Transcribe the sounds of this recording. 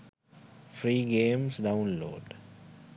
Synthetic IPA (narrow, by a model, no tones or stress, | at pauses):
fɾiːɡẽːmsɖaʊ̃nlo̰ːɖ